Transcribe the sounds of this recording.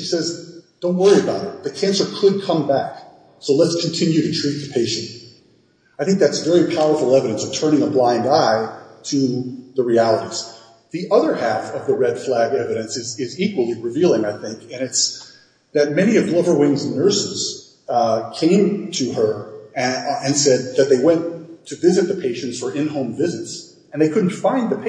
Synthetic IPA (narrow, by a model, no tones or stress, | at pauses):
ʃisɛzd̥õʊ̃nt̚wɜ˞iɨbaʊɾɨt̪̚ðɨkʰæ̃nsə˞kʰəd̚kʰʌ̃mbæk | soʊlətskʰn̩tʰɪ̃njʉɾɨtʰɹ̥it̪̚ðɨ̥pʰeɪʃɨ̃nt | aɪθɪ̃ŋk̚ðætsvɛɹipʰaʊə˞fl̩ˠɛvɨɾɨ̃nsʌv̥tʰɜ̃˞ɾ̃ɪ̃ŋəblãɪ̃ndaɪɾɨðəɹiælˠəɾiz̥ | ðiʔʌðə˞hæfʌvðəɹɛd̥flæɡɛvɨɾɨ̃nsɨzɪzikwl̩ˠiɹɨvilˠɪ̃ŋaɪθɪ̃ŋkɨ̃nɨts | ðɨt̚mɛñiʌvlʌvə˞wɪ̃ŋznnɜ˞sɨz̥ | kʰẽɪ̃mtʰɨə˞ | ɨ̃nsɛd̪̚ðɨt̪̚ðeɪwɛ̃ntʰɨvɪzɨt̪̚ðɨpʰeɪʃɨ̃ntsfə˞ʔɪ̃nɦõʊ̃ɱvɪzɨts | ɨ̃nðeɪkʰʊdⁿn̩tfãɪ̃nðɨpʰ